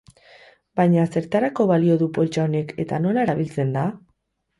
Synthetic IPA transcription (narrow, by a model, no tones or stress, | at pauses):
bajɲase̞ɾt̪aɾako̞βalio̞ðupo̞lt͡ʃao̞ne̞ke̞t̪ano̞lae̞ɾaβilt͡se̞nd̪a